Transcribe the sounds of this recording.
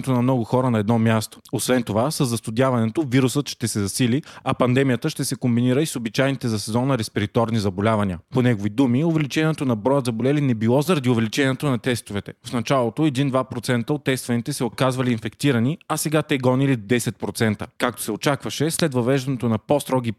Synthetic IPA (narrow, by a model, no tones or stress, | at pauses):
ɛt̪onɐmnɔɡʊxɔɾənɐɛd̪nɔmʲjast̪o̥osvɛnt̪ovasɐzːɐst̪ʊd̪ʲjavɐnɛt̪oviɾusət̪ʃt̪ɛsɛzɐsiliɐpɐnd̪ɛmijət̪əʃt̪ɛsɛkombiniɾəisobit͡ʃajnit̪ɛzɐsɛzɔnɐɾɛspiɾɐt̪ɔɾnizɐbolʲavɐniəponɛɡovid̪umiovɛlit͡ʃɛnʲiɛt̪onɐbɾɔjət̪zɐbolʲɛlinɛbilˠɔzɐɾɐd̪iʊvɛlit͡ʃɛnʲiɛt̪onɐt̪ɛst̪ovɛt̪ɛfnɐt͡ʃalˠot̪oɛd̪ind̪vapɾot̪sɛnt̪əot̪ːɛst̪vɐnit̪ɛsɛot̪̚kazvɐliːnfɛkt̪iɾɐniɐsɛɡat̪ɛɡɔnilid̪ɛsɛt̪̚pɾot̪sɛnt̪ə̰kak̚t̪o̥sɛot͡ʃakvɐʃɛslɛt̪vɐvɛʒd̪ɐnɛt̪onɐpɔst̪ɾɔɡ̟i